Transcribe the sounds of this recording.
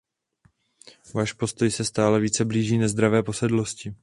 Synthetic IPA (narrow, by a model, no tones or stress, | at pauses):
vaːʃpo̞st̪o̞jsɛst̪aːlɛviːt͡sɛbliːʒiːnɛzd̪ɾavɛːpo̞sɛdlo̞scɪ